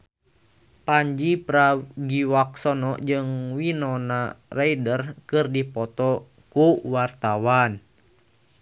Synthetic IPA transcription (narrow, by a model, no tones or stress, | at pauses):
paɲd͡ʒipɾaɡiwak̚sɔnɔʔd͡ʒɨŋwinɔnaraidərkɨrdipɔt̪ɔ | kuwart̪awan